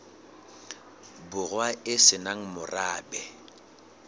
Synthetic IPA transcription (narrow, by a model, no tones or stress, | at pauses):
bʊɣwaɪsɪnaŋ̩mʊraːbɛ